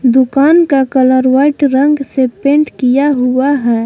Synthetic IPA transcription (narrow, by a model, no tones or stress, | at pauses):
d̪ʊkaːnkakələɾʋaɪʈɾə̃ŋɡsepẽːɳʈkijaɦʊaɦɛː